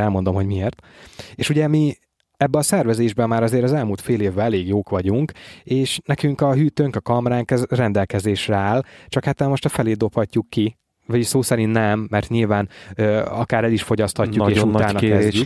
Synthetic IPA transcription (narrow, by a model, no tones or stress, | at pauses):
ɛlmo̞nd̪o̞mɦo̞ɟmieːrt̪eːʃuɟɛmi | ɛbːɛɒsɛrvɛzeːʒbɛmːaːɾɒzeːɾɒzɛlmuːlt̪feːleːvbɛlɛleːɡjoːkʋɒɟuŋkeːʃnɛkyŋkɒɦyːt̪øŋkɒkɒmɾaːŋkɛzrɛnd̪ɛlkɛzeːʃrɛaːlt͡ʃɒkat̪ɛlmo̞ʃt̪ɒfɛleːd̪o̞phɒcːukːi | vɒsoːsɛɾiːnnɛmːɛrt̪ɲilvaːnøɒkaːɾɛliʃfo̞ɟɒst̪hɒcːukeːʃut̪aːnɒkːɛezɟyk